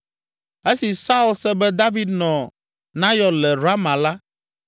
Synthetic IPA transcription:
e˦si˨sa˦u˦˨lsɛ˦bɛ˦d̪a˦vi˨d̪nɔ̃˨ | nã˦jɔ˨lɛ˨ɾa˦mã˨la˦

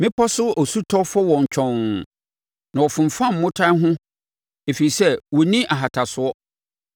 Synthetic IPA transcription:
mɪ̃˦pʰɔ˦sʊ˦ɔ˨su˦tʰɔ˦fɔ˦wɔ̃˨ɲ˨t͡ɕᶣʰɔ̃˨n˨ | nã˨ɔ˨fʊ̃˨m˨fã˦m̩˨mʊ̃˦tʰa˦ɦʊ̃˦ | e˨fi˨i˨sɛ˦wɔ˨nĩ˦ʔa˨ɦa˨tʰa˨sʊ˦ɔ˦

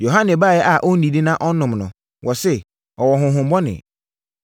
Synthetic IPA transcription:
jo˨ɦã˦nɛ̃˨ba˦˨jɛ˦ʔa˨ʔɔ˦nĩ˨di˦nã˦ʔɔ˦nʊ̃˨mnʊ̃˨ | wʔɔ˨sɛ˦ | ɔ˨wɔ˨ɦʊ̃˨ɦʊ̃˨m˦bɔ˦nɪ̰̃˨

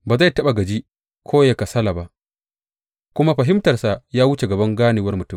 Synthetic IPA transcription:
baː˨za˦˨jtɐ˦ɓa˨ɡɐ˨d͡ʒi˦ | kʰoː˦ja˨ka˨sɐ˦la˨ba˦ʔ | kʷʊ˦ma˦ɸɐ˨ɦɪ˦mtɐ˨rsa˨jaː˦wʊ˦t͡ʃe˨ɡɐ˨bɐ˦ŋɡaː˦niː˨wɐ˦rmʊ˨tʊ˦˨m

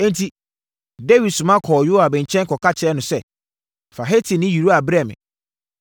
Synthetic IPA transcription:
ɛ̃˦ntʰi˦ | de˦wi˨dsʊ̃˨mã˦kʰɔː˨jʊ˦a˨bɛ̃˨ɲ̩˨t͡ɕʰɛ̃˦ŋkʰɔ˨kʰa˦t͡ɕʰɪ˨ɛ˦nʊ̃˨sɛ˦ | fa˨ɦe˦tʰi˨nɪ̃˦ji˨ɾu˦a˨bɾɛ˦˨mɪ̰̃˨

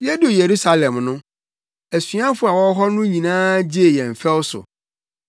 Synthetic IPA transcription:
jɛ˦do˨je˨ɾu˦sa˨lɛ̃˨mnʊ̃˦ | æ˨sɥã˦fʊ˨˦a˨wɔ˦ɦɔ˦nʊ̃˦ɲĩ˨nãː˦d͡ʑi˦e˨jɛ̃˨m̩˨fɛ˦wsʊ̰˨

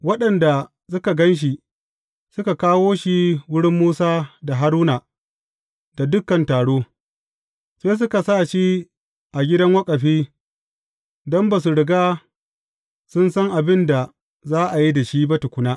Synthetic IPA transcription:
wɐ˦ɗɐ˨nda˨ | sʊ˦ka˨ɡɐ˦nʃ̬i˨ | sʊ˦ka˨kaː˦woː˦ʃi˦wʊ˦ɽɪ˦mːuː˦saː˦da˨ɦa˦ɾuː˦naː˨ | da˨dʊ˦kːɐ˨ntaː˨ɽoː˦ | seː˦s̬ʊ˦ka˨saː˦˨ʃi˦ | ʔa˨ɡʲɪ˦dɐ˦ŋwɐ˦kʼɐ˨ɸiː˦ | dɔ˦mba˨s̬u˨ɽɪ˨ɡaː˦ | sʊ˦nsɐ˦ŋʔa˨bɪ˦nda˨ | zaː˦ʔa˨ji˦da˨ʃi˦ba˦tʊ˨kʷʊ˦naː˦ʔ

